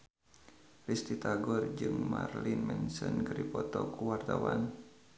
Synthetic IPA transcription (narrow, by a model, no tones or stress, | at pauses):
rist̪it̪aɡɔrd͡ʒɨŋma̰rlinmɛnsənɡəɾipɔt̪ɔkuwart̪awan